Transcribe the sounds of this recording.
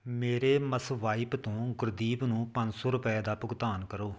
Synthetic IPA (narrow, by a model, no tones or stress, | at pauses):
meːɾeːməsʋaːɪpt̪õːɡʊɾd̪iːbnũːpəɲd͡ʒsoːɾʊpɛɛːd̪aːpʊɡt̪aːnkəɾoː